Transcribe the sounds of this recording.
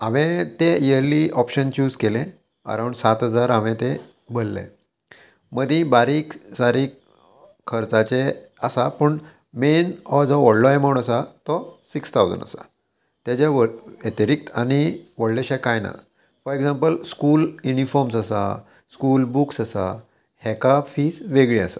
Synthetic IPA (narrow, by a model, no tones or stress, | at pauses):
aʋẽt̪ejəɾliʔɔpɕənt͡ɕuːd͡zkelẽ | ə̰ɾaw̃ɳɖsat̪ɦəd͡zaɾaʋɛ̃t̪e | bolːḛ̃ | məd̪ʱĩbaɾiksaɾiːk | kʰːəɾt͡sat͡ɕeəsapəɳ | menɔd͡zɔʋəɽlɔeməuɳəsat̪ɔsikst̪ʰawd͡zə̰nə̰sa̰ | t̪jat͡ɕaʋəet̪əɾik̚t̪a̰ñiʋəɽleɕɛkajna̰ | fɔɾeɡd͡zampəlskuːljunifɔɾmsasa̰ | skulbuksasa̰ | hɛkafiːsʋeɡɭiə̰sḁ